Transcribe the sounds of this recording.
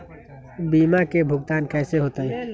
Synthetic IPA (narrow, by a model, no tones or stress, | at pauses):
bimakebʱʊɡt̪ankɛːseɦot̪əj